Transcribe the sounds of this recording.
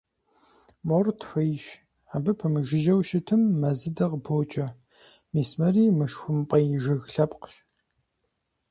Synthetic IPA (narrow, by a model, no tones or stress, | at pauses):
mortʰfɐjʃ | abɨpʰɐmɨʒɪʒɐwʃɪtʰɨmːɐzɨdɐʁbʰoːt͡ʃʼɐ | miːsmɐriːmɨʃxʷʊmpʼɐjɪʒɨɣɬɐpʼqʃ